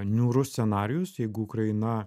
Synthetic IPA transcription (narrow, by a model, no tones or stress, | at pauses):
nʲuːɾʊst̪ʲsʲɛnɑːɾʲɪjʊsjɛɪɡʊʊkɾɐɪɪnɐ